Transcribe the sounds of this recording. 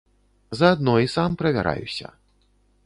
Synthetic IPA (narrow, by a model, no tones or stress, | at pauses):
zɐːd̪nɔisampɾɐvʲa̰ɾa̰jṵsʲɐ̰